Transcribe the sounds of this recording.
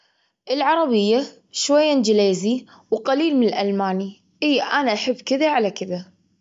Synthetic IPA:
ʔɪlʕɑɾˤɑbɪjːa | ʃwajːand͡ʒɪleːzi | wqaliːlmɪnɪlʔalmaːni | ʔɪjːaʔanaʔaħɪbːkɪðaʕalakɪða

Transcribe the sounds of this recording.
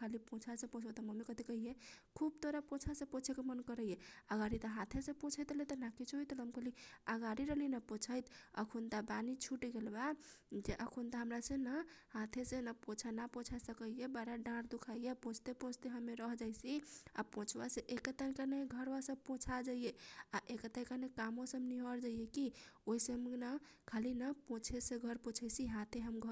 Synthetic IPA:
alipõt͡ʃʰasẽpõt͡ʃʰbat̪aməmikət̪ʰikəɦijekʰubt̪oɾapõt͡ʃʰasẽpõt͡ʃʰekemənkəɾəjeəɡaɾit̪ɔɦãt̪ʰesẽpõt͡ʃʰət̪let̪ɔnakit͡ʃʰɦit̪ləmkəliəɡaɾiɾəɦlinapõt͡ʃʰəjt̪ə̰kʰunt̪abanit͡ʃʰuʈɡelbad͡ʒeʔəkʰunt̪aɦəmɾasẽnahãt̪ʰesenapõt͡ʃʰanapõt͡ʃʰasəkəjebaɾaɖãɾd̪ukʰaijepõt͡ʃʰt̪epõt͡ʃʰt̪eɦəmːeɾəɦd͡ʒajsia̰põt͡ʃʰwaseʔekət̪aɾkanəɡʱəɾwasəb̚põt͡ʃʰad͡ʒaijeaʔekət̪akanekamõsəbniɦəɾd͡ʒaijekioiseɦəmna | kʰalinəpõt͡ʃʰeseɡʱəɾpõt͡ʃʰəjsiɦãt̪ʰeɦəmɡʱ

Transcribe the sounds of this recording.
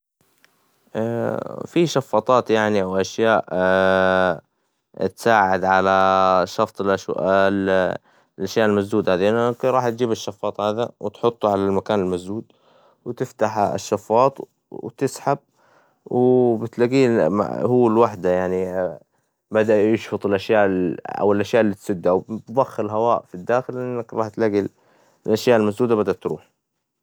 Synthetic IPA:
ʔafiʃɑfːɑːt̪ˤɑːt̪jaʕniawʔaʃjaːʔ | t̪saːʕɪd̪ʕalaʃɑft̪ˤlʔʃ | lʔaʃjaːʔɪlmasd̪uːd̪haːd̪iʔɪnːkɾˤɑːħt̪̚d͡ʒiːbɪʃːɑfːɑːt̪ˤhaːd̪awɪt̪ħʊt̪ˤːuʕalalmakaːnɪlmasd̪uːd̪ | wt̪ɪft̪aħʃːɑfːɑːt̪ˤ | t̪ɪsħab̚ | wbɪt̪laɡiːma̰hʊːɪlwaħd̪ajaʕni | bad̪aʔjɪʃfʊt̪ˤɪlʔaʃjaːʔʔa̰wɪlʔaʃjaːʔɪlːiːt̪sʊd̪ːʔwbðˤɑxːɪlɦawaːʔfid̪ːaːxɪlʔɪnːakɾˤɑːħt̪laɡi | lʔaʃjaːʔɪlmasd̪uːd̪abad̪aʔt̪ɾṵːħ

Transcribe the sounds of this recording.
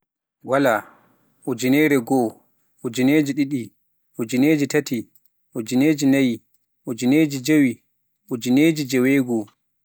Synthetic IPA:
wala | ʔod͡ʒinɛːɾɛɡɔ | ʔod͡ʒineːd͡ʒiɗiɗi | ʔod͡ʒineːd͡ʒitati | ʔod͡ʒineːd͡ʒinaji | ʔɔd͡ʒineːd͡ʒid͡ʒewi | ʔod͡ʒineːd͡ʒid͡ʒɛwɛɡɔ

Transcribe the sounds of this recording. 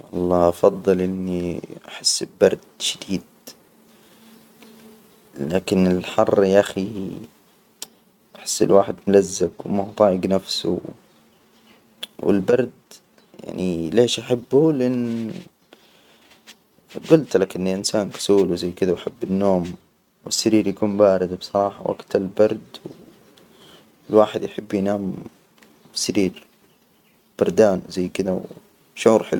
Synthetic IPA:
ʔɑlˤːɑːʔɑfɑd̪ˤːɨlʔɪnːiʔaħɪsːɪlbɑɾˤd̪ʃad̪iːd̪̚ | laːkɪnɪlħɑrˤːjʔaxi | ʔaħɪ̥sːɪ̰lwaːħɪd̪mʊlazːakwmaht̪ˤɑːʕɪɡnafsṵ | wɪ̰lbɑɾˤd̪ | ja̰ʕnileːʃʔaħabːulɪʔanː | ɡʊlt̪lakʔɪnːiʔɪnsaːnkḁsuːlwzajːkɪd̪awaħabːɪnːoːm | wɪsːaɾiːɾjakuːmbaːɾɪd̪bsˤɑɾˤɑːħɑwʔa̰ɡt̪ɪlbɑɾˤd̪w | lwaːħɪd̪jħɪbːjnaːm | sːaɾiːɾ | b̥ɑɾˤd̪aːnzajːkɪd̪aw | ʃʕuːɾħɪlu

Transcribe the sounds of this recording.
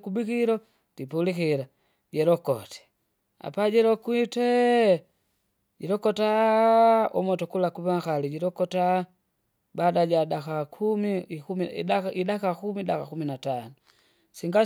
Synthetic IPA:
kubikiɾɔ | tipulikiɾa | ɟɛɾɔkɔ̰tɛ̥ | a̰paɟɛɾɔkwitɛ | ɟɛɾɔkɔta | ɔmɔtɔkulakuβaŋkaliɟiɾɔkɔta | badaɟadakakʰumikumiaidakakumidakakuminatanu | siŋɡa

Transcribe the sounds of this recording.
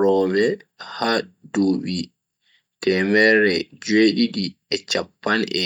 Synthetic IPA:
ɾɔːmɛhaduːɓi | tɛmɛɾɛd͡ʒeɗiɗi | ɛt͡ʃapːanʔɛ

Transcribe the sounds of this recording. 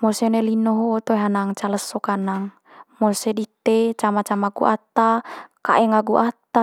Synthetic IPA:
mosenelinoɦoːt̪oeɦanaŋt͡ʃaləsːokanaŋ | mosedit̪ːet͡ʃamat͡ʃamaɡṵʔat̪ːaka̰ʔɛŋaɡuʔat̪a

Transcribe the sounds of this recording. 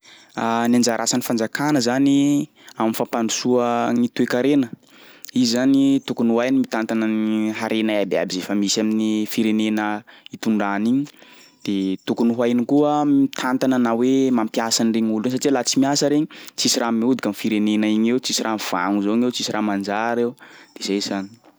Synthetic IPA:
anand͡ʒaɾʔasanifand͡zakanəzani | amifampanusuəŋit̪uekaɾenə | iizanit̪ukunuɦajnimit̪ant̪anəniɦaɾʔenaabea̰bizefəmisaminifiɾenenəit̪uɳɖ͡ʐaniɲi | d̪̥et̪ukunuɦajnikuəit̪ʰant̪ananawemampjasanireɲuluns̬aʈ͡ʂilat͡simiasəɾeɲit͡sisiɾamiud̪ikamifiɾenenaiɲewt͡sisiɾʔamv̥a̰ŋuzoiɲewt͡sisiɾamand͡ʒaɾewd̪̥ezajzani̥

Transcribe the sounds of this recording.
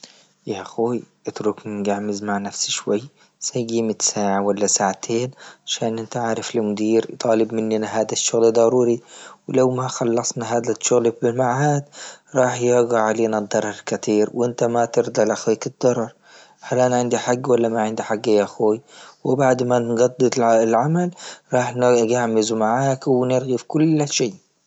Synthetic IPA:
jaʔxoːjʔɪt̪ɾʊkmɪnɡaʕmɪzmaʕnafsʃwajː | sajɡiːmɪt̪saːʕawalːasaːʕt̪ʰeːnʕaʃaːnʔɪnt̪aʕaʕɾɪflɪmʊd̪iːɾt̪ˤɑːlɪbmɪnːinaɦaːd̪aʃːʊɣlad̪ˤɑɾˤuːɾiwlawmaxɑlːɑsˤnaɦaːd̪aʃʊɣlbɪlmaʕaːd̪ɾˤɑːħjɪɡaʕalinad̪ˤːɑɾˤːɑɾˤkat̪ʰiːɾwʔɪnt̪amat̪ɪɾd̪alʔaxwiːkɪd̪̥ːɑɾˤɑɾˤ | halʔanaʕɪnd̪iħaɡːwalːamaʕɪnd̪iħaɡːajaxuːjwɪbaʕd̪manɡɑd̪ˤːɨd̪ˤlʕamalɾˤɑːħnɡaʕmɪzumaʕaːkwnɪɾɣifkʊlːʃeː

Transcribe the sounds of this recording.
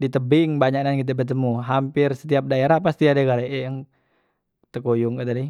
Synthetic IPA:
dit̪əbɪŋbaɲanankit̪̬ɛbərt̪̬əmuɦampɪrsə̥t̪iap̚daeɾahpast̪iadaɡalaɛjaŋ | t̪əkojʊŋkət̪adi

